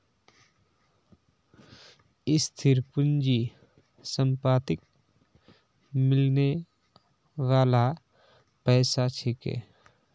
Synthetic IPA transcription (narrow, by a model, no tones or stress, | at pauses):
ɪst̪ʰɪɾpʊnd͡ʒi | səmpaːt̪ɪk̚ | mɪlne | ʋaːla | pɛːsat͡ʃʰɪkḛː